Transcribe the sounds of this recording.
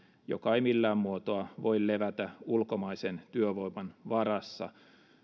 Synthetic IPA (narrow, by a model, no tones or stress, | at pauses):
jo̰kɑimilːæːmmuot̪oɑʋoilleʋæt̪æulkomɑisent̪yøʋoimɑnʋɑɾɑsːɑ̰